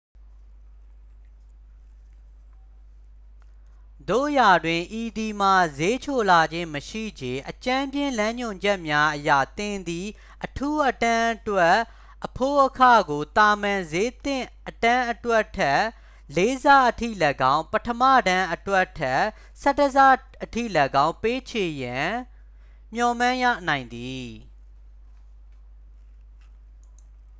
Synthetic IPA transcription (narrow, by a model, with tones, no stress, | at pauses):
d̪o̰˦˨ja˨dwɪ̃˨ʔi˨di˨m̥a˨ze˦t͡ɕʰo˨la˨d͡ʑɪ̃˦məʃḭ˦˨d͡ʑẽ˨ʔət͡ɕã˦mbjɪ̃˦˨lã˦ɲʊ̃˨ɲd͡ʑɛ˦ʔmja˦ʔəja̰˦˨t̪ɪ̃˨nd̪i˨ | ʔətʰu˦ʔətã˦ʔətwɛ˦ʔ | ʔːəpʰo˦˨ʔəkʰä̰˦˨ɡo˨t̪a˨mã˨ze˦t̪ɪ̃˦˨ʔətã˦ʔətwɛ˦ʔtʰːɛ˦ | le˦za˦ʔətʰḭ˦˨lə˨ɡã˦ʊ̃pətʰəmä̰˦˨dã˦ʔətwɛ˦ʔtʰːɛ˦ | sɛ˦təza˦˨ | ʔətʰḭ˦˨lə˨ɡã˦ʊ̃pe˦t͡ɕʰe˨jã˨ | m̥jɔ̃˨mã˦˨jä̰˦˨nã˨ɪ̃nd̪i˨